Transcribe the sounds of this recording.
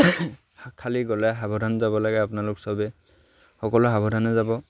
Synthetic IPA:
kʰaliɡɔlɛɦabʱɔdanzabɔlaɡɛapʊnalʊksɔbɛ | xɔkɔlʊɦabʱɔdanɛzabɔ

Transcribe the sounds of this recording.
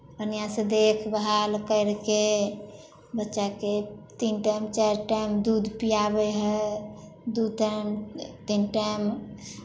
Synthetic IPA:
ənijãsẽd̪ekʰbəɦalkəɪɾke | bətːʃaket̪inʈajmt͡ʃaɾʈajmd̪ud̪ʱpijabɛɦɛ | d̪uʈamt̪inʈajm

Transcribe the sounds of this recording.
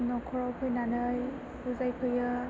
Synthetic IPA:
nɔkʰɔɹɔpʰɯjnanɯj | buzajkʰɯjɯ

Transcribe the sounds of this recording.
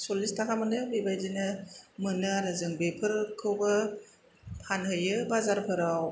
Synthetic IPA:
solistʰakʰamɯnɯbebajzinɯmɯnɯɾɯzɯŋbepʰɯɾkʰɯwbɯ | pʰanhɯjɯbazaɾpʰɯɾaw

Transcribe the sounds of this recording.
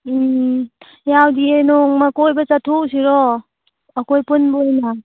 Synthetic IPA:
jawdienɔŋmakojbat͡ʃatʰuʔsiɾɔ | akojpunbɔjna

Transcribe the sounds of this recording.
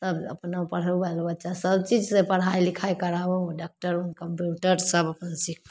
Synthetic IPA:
səbə̰pnapəɽ̤əlbʱalbətːt͡ʃasəbt͡ʃid͡ʒsẽpəɽɦajlikʰajkəɾabeɖak̚ʈəɾunkəmpjuʈəɾsəbəpənsikʰ

